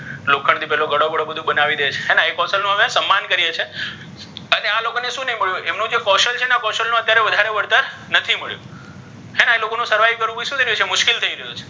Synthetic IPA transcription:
lokʰəɳt̪ʰipɛɦloɡəɽoɡəɽobəd̪ʱũbənaʋid̪et͡ʃʰeɦɛnaekɔsəlnũɦəʋesəmːankəɾijet͡ʃʰe | ənealokoneʃũnəiməɭjũʔemnũd͡ʒefɔʃəlt͡ʃʰenakɔʃəlnũət̪jaɾeʋəd̪ʱaɾeʋəɽt̪əɾ | nət̪ʰiməɭjṵ | ɦɛnaelokonũsəɾʋaikəɾʋũpiʃũt̪ʰəɾijut͡ʃʰemʊʃkilt̪ʰəiɾəɦjot͡ʃʰe̥

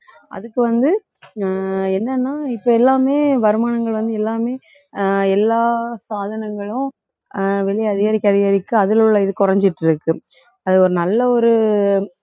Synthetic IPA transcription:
ʔɐ̰ðɯkːɯʋɐnd̪ɯ | ɛnːɐnːaːɪpːɐːɛlːaːmeːʋɐɾɯmaːnɐŋɡɐɭʋɐnd̪ɯɛlːaːmeː | ɛlːaːsaːðɐnɐŋɡɐɭʊ̃ | ʋɛɭɪjɐðɪɣɐɾɪkːɐðɪɣaɾɪkːɯɐðɪlʊɭːɐɪðɯkʊɾɐɲd͡ʒɪʈːɪɾɯkːɯ | ɐðɯɔɾɯnɐlːɐɔɾɯ

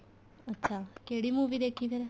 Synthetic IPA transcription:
ətːʃʰakeɽimuʋid̪ekʰiʋeɾe

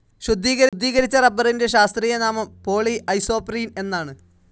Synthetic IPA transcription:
ɕud̪ːiːɣɐɾd̪ːiːɣɐɾit͡ɕːɐrɐbɐrinde̞ɕaːst̪riːjɐnaːmɐmpo̞ːɭiʔɐjso̞ːpriːne̞nːaːɳɨ

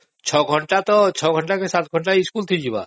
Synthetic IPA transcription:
t͡ɕʰɔɡʱɔɳʈat̪ɔt͡ɕʰɔɡʱɔɳʈakesat̪ɡʱɔɳʈaiskult̪ʰid͡ʑiba̰

